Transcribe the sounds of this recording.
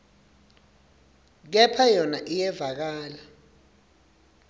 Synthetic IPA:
k̬ɛpʰajɔnaʔijɛvak̬aːla

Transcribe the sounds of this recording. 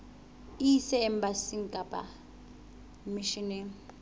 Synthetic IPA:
isɛɛmbasiŋkʼabʼa̰ | miʃinɛ

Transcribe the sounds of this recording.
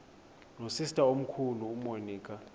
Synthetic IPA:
nosistʼaom̩kʰuluːmoniːkʼa

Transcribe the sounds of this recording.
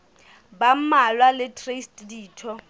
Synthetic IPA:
bam̩malwalɪtʰʼrestʼdiːtʰɔ

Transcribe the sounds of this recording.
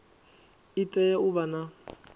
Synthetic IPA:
itʼɛjɛʊβana

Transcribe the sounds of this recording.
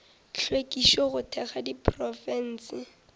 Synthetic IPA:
ɬʰwekiʃɔχʊtʰɛχadipʰrɔfɛn̩ːsɪ

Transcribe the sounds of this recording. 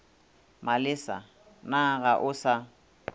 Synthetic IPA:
malɪsa̰ | naɣaʔʊsa

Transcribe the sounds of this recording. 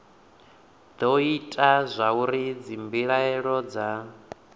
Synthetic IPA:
d̪ɔitʼazʷauɾid͡zimbiɺaɛɺɔd͡za

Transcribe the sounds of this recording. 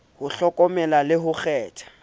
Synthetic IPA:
hʊɬɔkʼɔmɛlalɪɦʊχɛːtʰḁ

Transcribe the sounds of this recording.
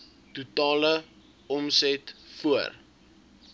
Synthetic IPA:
tutɑːlə | ɔmsɛtfuər

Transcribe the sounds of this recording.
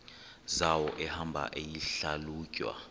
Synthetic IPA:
zawɔʔɛhambʱa̰ʔejiɬaluːcʼwa̰

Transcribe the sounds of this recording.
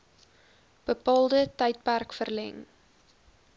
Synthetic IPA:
b̥əpɑːlˠdətɛjt̚pærkfərlɛ̰ŋ

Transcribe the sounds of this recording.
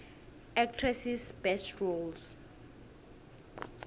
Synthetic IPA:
ɛk̚tʰrɛsisbɛstɹols

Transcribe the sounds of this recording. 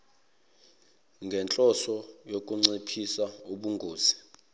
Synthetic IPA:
ŋɡʱɛnt͡ɬʼɔsɔjokʼuŋ͡ǀipʰisauɓuŋɡʱoːz̥i̥

